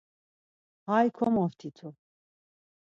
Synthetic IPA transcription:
hajkʰɔmɔft̪ʰit̪ʰu

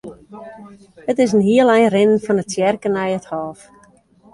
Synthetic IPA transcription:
hətɪs̬ənɦiəlˠɛjnrɪnənfɔnətsjɛrkənɛjəthɔːf

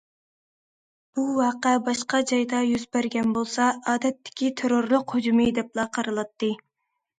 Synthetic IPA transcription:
b̥uwɑːqɛbɑʃqɑd͡ʒɑjd̪ɑjyzbæɾɡʲɛnbolˠsɑɑːd̪ɛt̪ʰːɪ̥kʲit̪ʰeɾoɾlˠʊqhod͡ʒumɨd̪ɛplˠɑqʰɑɾɨlˠɑt̪ːɨ

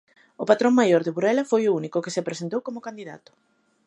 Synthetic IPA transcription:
ʊpat̪ɾõŋmajoɾðɪβuɾɛlɐfojʊunikʊkesepɾes̬ent̪owkomʊkand̪iða̰t̪ʊ̥

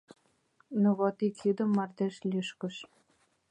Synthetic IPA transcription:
nuβot̪ikjyd̪ə̆mːɑrt̪eʃlʲyʃkə̆ʃ

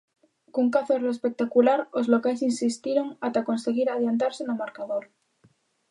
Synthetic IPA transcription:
koŋkaθorespek̚t̪akulaɾozlo̞kaesinsist̪iɾo̞ŋat̪akonseɣiɾað̞jant̪̬aɾsenomaɾkaðoɾ

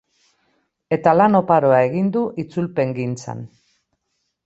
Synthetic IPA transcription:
e̞t̪alano̞paɾo̞ae̞ɣind̪uʔit͡sulpe̞ŋɡint͡sa̰n

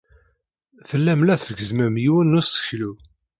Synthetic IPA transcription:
θəlːæmlæθfəɡəzməmjiwənːusə̥çlu

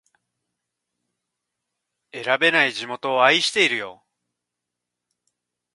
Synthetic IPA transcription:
e̞ɾabe̞naiʑimo̞t̪o̞ːaiɕi̥t̪e̞iɾɯ̟jo̞̰

